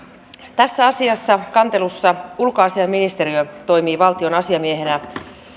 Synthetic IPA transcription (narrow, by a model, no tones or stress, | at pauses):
t̪æsːæɑsiɑsːɑkɑnt̪e̞lusːɑulkoɑsiɑmːinist̪e̞ɾiøt̪o̞jmiːʋɑlt̪io̞nɑsiɑmie̞ɦe̞næ